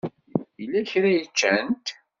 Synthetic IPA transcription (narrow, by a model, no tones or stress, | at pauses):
ilːæçɾæjət͡ʃːænt̪